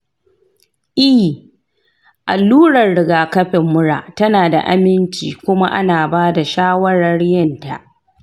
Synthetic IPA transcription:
ʔi˦ | ʔa˨lːuː˦ɽɐ˨rɽɪ˨ɡaː˨kɐ˦ɸɪ˨mːʊ˦ɽa̰ː˨tɐ˦naː˨da̰˨ʔa̰˦mɪ˦nt͡ʃḭː˨kʷʊ˦ma˦ʔa̰˦naː˨baː˦da˨ʃaː˦wɐ˦ɽɐ˦rjɐ˦˨nta̰˨ʔ

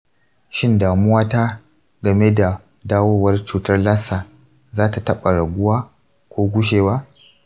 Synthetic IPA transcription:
ʃɪ˦ndaː˨mʊ˦waː˦ta˦ | ɡɐ˨me˦da˨ | daː˦woː˦wɐ˦rt͡ʃuː˦tɐ˦rlaː˦saː˨ | zaː˦ta˨tɐ˦ɓa˨ɽɐ˨ɡʷʊ˦waː˦ | kʷoː˦ɡʷʊ˦ʃ̬eː˨waː˦

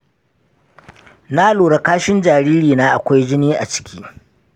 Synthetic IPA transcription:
naː˦loː˨ɽa˨kaː˦ʃɪ˦nd͡ʒaː˨ɾiː˦ɾiː˨naː˦ʔa˨kʷa˦jd͡ʒɪ˦niː˦ʔa̰˨t͡ʃɪ̥˦kʲʰiː˦

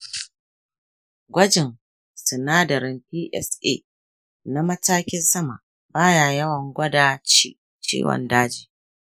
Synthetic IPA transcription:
ɡʷɐ˦d͡ʒɪ˨ŋ | sʊ˨naː˦dɐ˨ɾɪ˨nɸiː˦ʔɛ̰˦˨sʔḛ˦˨ | na˦mɐ˦taː˦kʲɪ˦nsɐ˦ma̰˨ | baː˦jaː˨jɐ˦wɐ˨ŋɡʷɐ˦daː˦ | t͡ʃḭː˦wɐ̰˨ndaː˦d͡ʒiː˨

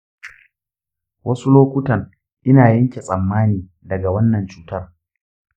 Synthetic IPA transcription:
wɐ˦su˦loː˦kʷʊ˦tɐ˨ŋ | ʔɪ˦naː˨jɐ˦ŋkʲe˨sʼɐ˨mːaː˦niː˨ | dɐ˨ɡa˨wɐ˦nːɐ˨nt͡ʃuː˦tɐ˦r

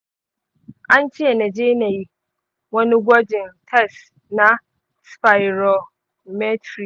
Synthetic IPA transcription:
ã˦n˦t͡ɕʰi˦ɛ˨nɛ̃˨d͡ʑe˦nã˨ji˦ | wɔ˦nɪ̃˦ɡʷɔ˦d͡ʒɪ̃˨ntʰɛ˦s | nã˦ | spa˨ɪ˨ɾɔ˨ | mɛ˦tʰɾi˨

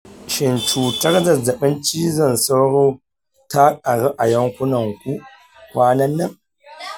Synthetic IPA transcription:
ʃɪ˨nt͡ʃuː˨tɐ˦rzɐ˨zɐ˨ɓɪ˦nt͡ʃiː˦zɐ˦˨nsa˦wɽoː˦ | ta˦kʼa˨ɽa˦ʔa˨jɐ˦ŋkʷʊ˦nɐ˨ŋkʷu˦ | kʷaː˦nɐ˦nːɐ˦˨ŋ

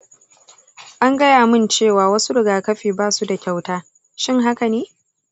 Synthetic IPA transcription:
ʔa˦ŋɡɐ˦jaː˨mɪ˦nt͡ʃeː˦˨waː˨wɐ˦su˦ɽɪ˨ɡaː˨kɐ˦ɸiː˨baː˦su˦da˨kʲa˦˨wtaː˦ | ʃɪ˦ŋɦa˦ka˨neː˦

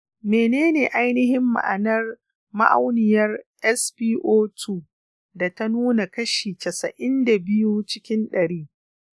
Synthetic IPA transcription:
meː˨neː˦neː˨ʔa˦jnɪ˦hɪ˦mːa̰˨ʔa̰˨nɐ˦r | ma̰˦ʔa̰˦wnɪ˨jɐ˦rʔɛ˦spiː˦ʔoː˦tʰuː˦˨ | da˨ta˦nuː˦na˨kɐ˦ʃiː˨tɐ˨sɐ˨ʔɪ˦nda˨bɪ˦ju˦t͡ʃɪ˦kʲɪ˦nɗɐ˨ɽiː˦

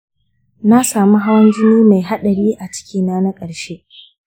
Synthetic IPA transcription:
na˦saː˨mu˦ɦa˦wɐ˦nd͡ʒɪ˦niː˦ma˨jɦa˦ɗɐ˨ɽiː˦ʔa˨t͡ʃɪ̥˦kʲiː˦naː˦na˦kʼɐ˨ɽʃe˦ʔ

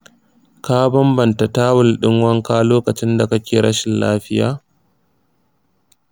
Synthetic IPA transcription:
ka˦bɐ˦mbɐ˨nta˨taː˦wʊ˨lɗɪ˦ŋwɐ˦ŋkaː˦loː˦kɐ˨t͡ʃɪ˦nda˨kɐ˦kʲeː˨ɽɐ˦ʃɪ˨nlaː˦ɸɪ˦jaː˦

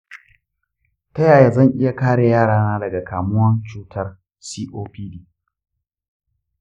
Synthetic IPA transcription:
tɐ˦jaː˨ja˦zɐ˦˨ŋʔɪ˦ja˦kaː˦ɽe˨jaː˦˨ɽaː˦naː˦dɐ˨ɡa˨kʰaː˨mʊ˦wɐ˦nt͡ʃuː˦tʰɐ˦r | siː˦ʔoː˦piː˦diː˦

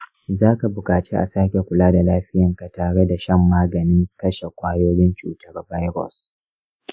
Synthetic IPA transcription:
zaː˦ka˨bʊ˨kaː˨t͡ʃe˦ʔa˨saː˦kʲe˨kʷʊ˨laː˦da˨laː˦ɸɪ˦jɐ˨ŋka˨taː˨ɽe˦da˨ʃɐ˦mːaː˦ɡɐ˨nɪ˦ŋkɐ˦ʃe˨kʷaː˦joː˦ɽɪ˦nt͡ʃuː˨tɐ˦rba˦jɾɔ̰˨s

